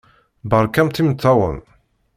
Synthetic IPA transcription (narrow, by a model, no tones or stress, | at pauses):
bəɾˤkæmt̪imət̪ːɑwə̰m